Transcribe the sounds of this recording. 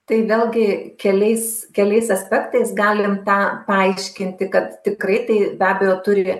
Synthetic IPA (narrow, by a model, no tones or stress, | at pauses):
t̪ɐɪʋʲeːlʲˠɡʲɪkʲɛlʲɛɪskʲɛlʲɛɪsɐsʲpʲɛkt̪ɐɪsɡɑːlʲɪmt̪ɑːpɐɐɪʃʲkʲɪnʲt̪ʲɪkɐt̪t̪ʲɪkrɐɪt̪ɐɪbʲæːbʲɛjoːt̪ʊɾʲɪ